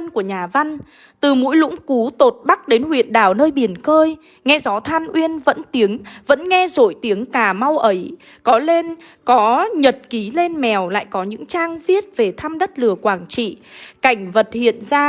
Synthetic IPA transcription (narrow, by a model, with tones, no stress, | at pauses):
nku˧˩əɲaː˨˩va˧n̟ | t̪ɨ˨˩mṵ˧˥jlʊ̰˧˥ŋ͡mku˨˦t̪o˨˩t̚ɓa˦˥k̚ɗe˨˦nhwḭ˧˨ənɗaː˨˩wnəː˧jɓi˨˩ənkəː˧j | ŋɛ˧zɔ˨˦t̪ʰaː˧nʔwi˧ənvə̰˧˥nt̪i˨˦əŋvə̰˧˥nŋɛ˧zo˧˨jt̪i˨˦əŋkaː˧˩ma˧wʔə˨˦j | kɔ˨˦le˧n | kɔ˨˦ɲə˨˩t̚ki˨˦le˧nmɛ˨˩wla̰ː˧˨jkɔ˨˦ɲɨ̰˧˥ŋt͡ɕaː˧ŋvi˦˥ət̚ve˨˩t̪ʰa˧mɗə˦˥t̚lɨ˨˩əkwaː˧˩ŋt͡ɕḭ˧˨ka˧˩jŋ̟və˨˩t̚hḭ˧˨ənzaː˧